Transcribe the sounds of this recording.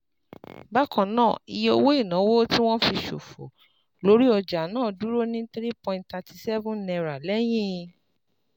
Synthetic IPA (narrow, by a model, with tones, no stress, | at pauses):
ba˦kɔ̃˨nãː˦˨i˧je˦o˧wo˦i˦˨nã˨˦wo˦ti˦w̃ɔ̃˦fi˧ʃo˨fo̰˨ | lo˨˦ɾi˦ɔ˧d͡ʒa˨nãː˦˨du˨˦ɾo˦nĩ˦t̪ɾi˦pɔ̃˧˨ĩntta˧tʰi˧sɛ˦vũ˦nɛ̃˧ɾa˨lɛ˦j̃ĩ˦˧